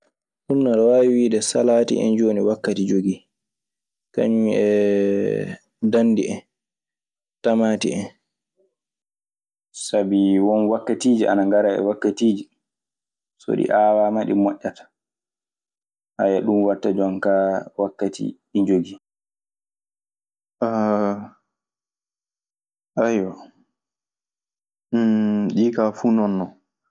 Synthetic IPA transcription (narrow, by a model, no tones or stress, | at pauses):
sunːaɾwaiwiːdɛsalaːtḭʔɛ̰nd͡ʒoniwakːatid͡ʒoɡi | ka̰ɲumiɛ | danːdiʔɛn | tamaːtḭɛn | sabiwɔnwakːatiːd͡ʒiʔa̰naŋɡaɾaɛ̰wakːatiːd͡ʒi | so̰ɗḭʔaːwamaɗimɔʔːatḁ | hajaɗumwaɾtːad͡ʒankawakːatḭɗiɲd͡ʒoɡi | ʔa | ʔajɔ | ɗiːkafuːnɔnːɔ